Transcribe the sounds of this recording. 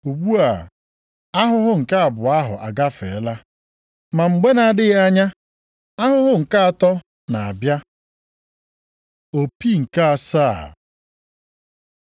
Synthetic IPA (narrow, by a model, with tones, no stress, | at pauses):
u˨ɡ͡bʷu˦a˨ | a˦ɦʊ˦ɦʊ˦ŋ̩˨ka˦a˨bʊ˨a˦ɦʊ̰˨ʔa̰˨ɡa˦fḛ˨˦la˦ | ma˨ŋ͡m̩˨ɡ͡be˦na˨dɪ˦ɣa˦ɲa˦ | a˦ɦʊ˦ɦʊ˦ŋ̩˨ka˦a˨tɔ˦ | na˨a˨bja˦ | o˨pi˦ŋ̩˨ka˦a˨saː˦˨